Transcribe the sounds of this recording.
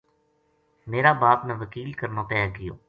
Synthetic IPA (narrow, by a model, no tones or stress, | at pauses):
meːɾaːbaːpnəʋəkiːlkəɾnaːpɛːɡɪjo̰ː